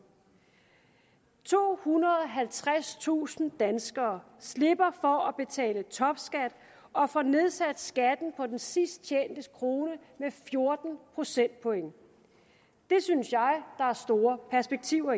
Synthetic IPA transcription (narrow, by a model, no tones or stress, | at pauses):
t͡sʰo̝̰ːhunɐð̞ˠɒɦælt͡sʰʁast͡sʰṵːsn̩d̥ænsɡ̥ɐː | sle̝b̥ɐfɒ̽æb̥e̝t͡sʰɛ̰ːlət͡sʰɒ̽b̥sɡ̥æd̥ | ɒ̽fɒne̝ð̞ˠsæd̥sɡ̥æd̥n̩pʰɒ̽d̥ensisd̥̚t͡ɕʰḛːnd̥əskʰʁo̝ːnəmefjo̝ɐd̥n̩pʰʁo̝sen̰d̥̚pʰɔ̽eŋ | d̥e̝synsjɑ̈ɪd̥ɑ̈æɐsd̥o̝ːɐpʰæɐsb̥eɡ̥̚t͡sʰiʊ̰ɐ